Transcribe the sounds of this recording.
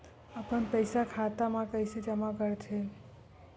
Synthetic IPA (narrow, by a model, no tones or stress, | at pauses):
əpənpəɪsakʰat̪amãkəɪsed͡ʒəmakəɾt͡ʃʰe